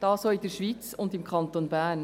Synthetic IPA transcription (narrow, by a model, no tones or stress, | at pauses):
d̥ɑːsoːid̥əʃʋit͡sʊndɪmkχɑnt̪onbæːn